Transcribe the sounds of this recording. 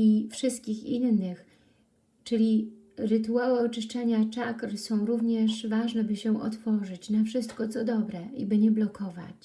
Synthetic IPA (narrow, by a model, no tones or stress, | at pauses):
ifʂɘst̪̚kʲixinːɘx | t͡ʂɘlʲi | ɾɘt̪uawɛɔt͡ʂɘʂt͡ʂɛɲat͡ʂakɾsɔ̃w̃ɾuvɲɛʂvaʐnɛbɘɕɛʔɔ̰t̪fɔʐɘt͡ɕnafʂɘst̪kɔt̪sɔd̪ɔbɾɛḭbɘɲɛblɔkʰɔva̰t͡ɕ